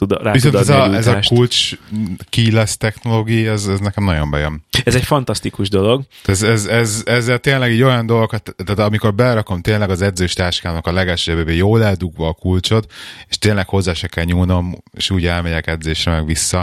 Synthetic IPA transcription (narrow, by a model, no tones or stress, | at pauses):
t̪ud̪ɾaːvisod̪ɛɛzɛzɒʃkult͡ʃ | kiːlɛst̪ɛxno̞loːɡiiɛzɛznɛkɛmnɒɟo̞mbɛjømɛzɛcfɒnt̪ɒst̪ikuʒd̪olo̞ɡ̪ɛzɛzɛzɛzːɛlt̪eːnlɛɡiːɟo̞jɒnd̪o̞lɡokt̪t̪ːaːt̪ɒmiko̞rbɛlɾɒko̞mt̪eːnlɛɡɒzɛd̪zøːʃt̪aːʃkaːnokɒlɛɡɛlʃøɛbebeːjoːlɛld̪uɡʋɒːkult͡ʃo̞t̪e̥ʃt̪eːnlɛkho̞zːaːʃɛkɛlɲuːno̞mḛːʃuːɟɛlmɛɟɛkɛd̪zeːʃrɛmɛɡʋisːɒ